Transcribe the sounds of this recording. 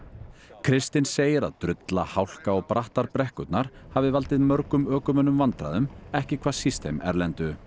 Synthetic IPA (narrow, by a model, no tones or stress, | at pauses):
kʰɾɪst̪ɪnseːjɪɾa̰ðt̪ɾʏt̪la̰hawl̥kaɔɣpɾaht̪aɾpɾɛhkʏt̪naɾ̥havɪvalt̪ɪðmœɾkʏmœːkʏmœnʏmvant̪ɾa̰ðʏmɛhcɪkʰv̥aːsist̪ejmɛ̰ɾlɛnt̪ʏ